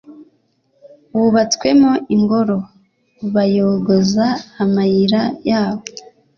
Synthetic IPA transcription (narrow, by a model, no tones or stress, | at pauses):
wuβat͡skwe̞moʔiŋɡo̞ɾo̞ | βajo̞ɡozaːmajiɾajaːβo